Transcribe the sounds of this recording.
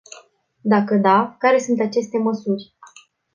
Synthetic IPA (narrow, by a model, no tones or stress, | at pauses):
d̪akəd̪akaɾe̞sunt̪at͡ʃe̞st̪e̞məsurʲ